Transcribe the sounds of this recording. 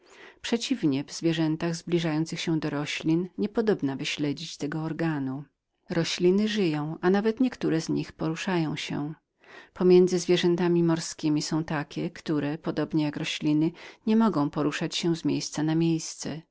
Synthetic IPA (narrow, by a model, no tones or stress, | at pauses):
pʂɛt͡ɕivɲɛvzvʲjɛʐɛnt̪aɣzblʲiʐajɔnt̪sɘxɕɛ̃d̪ɔɾɔɕlʲinɲɛpɔd̪ɔbnavɘɕlɛd͡ʑit͡ɕt̪ɛɡɔːɾɡanu | ɾɔɕlʲinɘʐɘjɔ̃w̃anavɛt̪ɲɛkt̪uɾɛzɲixpɔɾuʂajɔ̃w̃ɕɛ̰ | pɔmʲjɛnd̪zɘzvʲjɛʐɛnt̪amʲimɔɾskʲimʲisɔ̃w̃t̪akʲɛkt̪uɾɛpɔd̪ɔbɲɛjakɾɔɕlʲinɘɲɛmɔɡɔ̃w̃pɔɾuʂat͡ɕɕɛ̃zmʲjejst̪sanamʲjejst̪sɛ